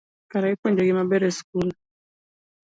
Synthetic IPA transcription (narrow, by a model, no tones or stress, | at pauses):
kaɾaikend͡ʒɔɡimabɛɾɛskul